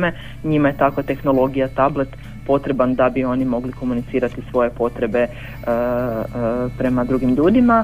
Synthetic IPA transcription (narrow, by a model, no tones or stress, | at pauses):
me | ɲimaje̞t̪akot̪e̞xno̞lˠo̞ɡijat̪able̞t̪ | po̞t̪ɾe̞band̪abio̞nimo̞ɡliko̞munit̪siːɾat̪isʋo̞je̞po̞t̪ɾe̞be̞ | pɾe̞mad̪ɾuɡimʎuːd̪ima